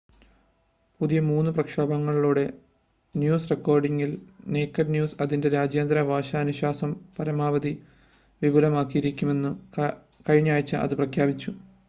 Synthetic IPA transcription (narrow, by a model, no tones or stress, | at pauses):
puðijɐmuːnːɨprɐkʂoːbɐŋːɐɭiɭuːɽe̞ | njuːsre̞kːoːrɖiŋːilne̞ːkːɐɾnjuːsɐðinde̞ɾaːd͡ʑjɐnd̪ɾɐʋʱaːɕɐːnuɕaːsɐmpɐɾɐmaːʋɐði | ʋibʱulɐmaːkːijiɾikʲːume̞nːu | kɐɻiɲːaːjit͡ɕːɨʔɐ̰ðɨprɐkʰjaːbit͡ɕːu